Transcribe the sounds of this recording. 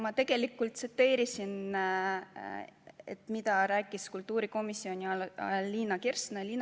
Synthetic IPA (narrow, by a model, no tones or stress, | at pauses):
mɑt̪e̞ɡ̥e̞likːult̪set̪ːe̞ːɾisin | ḛt̪mit̪ɑɾæːkːˑiskult̪ːˑuːɾiko̞misːio̞nʲiɑlːiːnɑkersneliːn